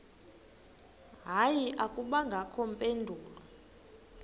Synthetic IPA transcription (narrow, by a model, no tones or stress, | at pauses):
ɦajiʔakʼuɓaŋɡʱakʰɔm̩pʼendʱuːla